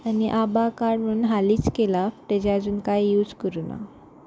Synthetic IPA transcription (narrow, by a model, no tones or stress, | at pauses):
aniʔabakaɾɖm̤əɾunɦaliːt͡skelaft̪ed͡ʑad͡zuːnkajːuːd͡zkəɾuna̰